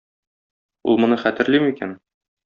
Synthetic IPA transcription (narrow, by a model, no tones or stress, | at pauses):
ṵlˠmŏnɤχæt̪ɘ̆ɾlimikæ̰n